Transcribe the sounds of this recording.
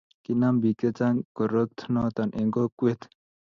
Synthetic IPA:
kinambiket͡saŋkoɾot̪ʰnot̪anʔeŋɡokuet̪ʰ

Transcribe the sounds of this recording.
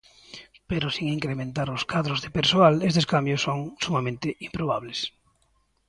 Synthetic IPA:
peɾosiŋiŋkɾemẽnt̪aɾoskaðɾozðepeɾsoalest̪eskambjosːoŋsumamẽnt̪ɪimpɾoβ̞aβles

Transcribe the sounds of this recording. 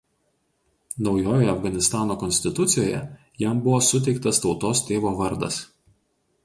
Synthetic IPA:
nɒʊjoːjoːjɛɐfɡɐnʲɪst̪ɑːnoːkɔnʲsʲt̪ʲɪt̪ʊt̪sʲɪjoːjɛ̰ | jɛmbʊʋoːsʊt̪̬ʲɛɪk̚t̪ɐst̪ɒʊt̪oːst̪ʲeːʋoːʋɐɾd̪ɐ̰s

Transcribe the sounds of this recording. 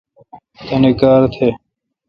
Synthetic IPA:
t̪eːneːkaːɾt̪ʰeː

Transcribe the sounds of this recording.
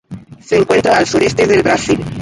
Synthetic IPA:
seːŋkwe̞nt̪ɾaːlsuɾest̪eðelβɾasil

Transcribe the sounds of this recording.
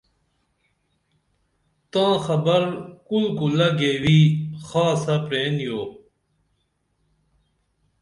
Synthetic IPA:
t̪ãːxɐbɐɾkulkulɐɡeːwiːxaːsɐpɾeːnjoː

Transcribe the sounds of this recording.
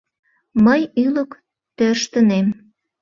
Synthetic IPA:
məjylə̆k | t̪ørʃt̪ə̆nem

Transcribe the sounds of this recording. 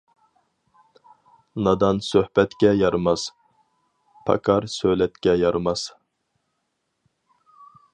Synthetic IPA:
nɑd̪ɑnsøhbɛt̪kʲɛjɑɾmɑs | pʰɑ̰kʰɑɾsølɛt̪kʲɛjɑɾmɑs

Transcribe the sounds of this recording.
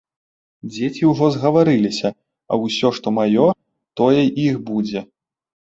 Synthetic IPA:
d͡zʲet͡sʲiwʐɔzɣɐvaɾɨlʲisʲɐ | ɐ̰wsʲɔʂt̪ɔmajɔ | t̪ɔjɛʔixbud͡zʲɛ

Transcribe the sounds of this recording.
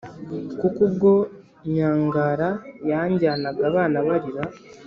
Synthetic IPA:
kukubɡo̞ | ɲaːŋɡaɾajaɲɟaːnaɡaːβaːnaβaɾiɾa

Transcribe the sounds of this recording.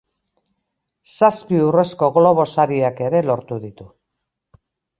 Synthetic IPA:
saspiure̞sko̞ɣlo̞β̞o̞saɾiake̞ɾe̞lo̞ɾt̪uðit̪u

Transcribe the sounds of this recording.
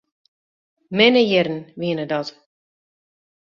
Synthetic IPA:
mɪnəjɛrən̩ʋiənədɔt

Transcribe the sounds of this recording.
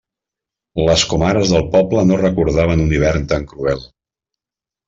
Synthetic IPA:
ləskumaɾəzðəlˠpɔplənorəkuɾðaβ̞ənuniβ̞ɛrnt̪aŋkɾuɛlˠ

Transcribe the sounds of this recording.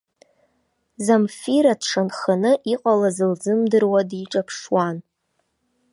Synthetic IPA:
zamfiɾadʂanχanɨʔiqʼalazɨld͡zɨmdɨrwadiʈ͡ʂʼapʰʂwan

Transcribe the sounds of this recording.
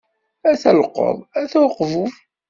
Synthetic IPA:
æθælqːɔ̰ðˤæθæwqːvuf

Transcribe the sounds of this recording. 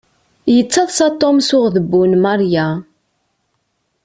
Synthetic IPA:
jət͡sːɑðˤsɑt̪ˤːomsʊʁðəbːunmaɾja

